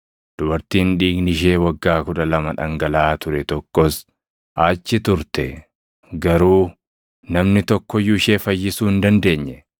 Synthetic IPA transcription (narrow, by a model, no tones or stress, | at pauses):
d̪̥ʊbɐɾt̪iːnᶑiːɡnɪʃ̬e̞ːwɐɡːaːkʊᶑɐlɐmɐᶑɐŋɡɐlaːt̪ʊɾɛt̪ɔkːɔs | ʔaːt͡ʃːɪt̪ʊɾt̪ɛ | ɡɐɾuː | nɐmnɪt̪ɔkːɔjuɪʃe̞ːfɐjːɪsuːɪnd̪ɐnd̪e̞ːɲːɛ